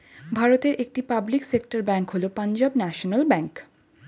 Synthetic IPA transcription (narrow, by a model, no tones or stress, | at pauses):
bʱaɾot̪eɾʔek̚ʈipabliksekʈaɾbɛŋkɦolopand͡ʑabnɛʃonalbɛŋk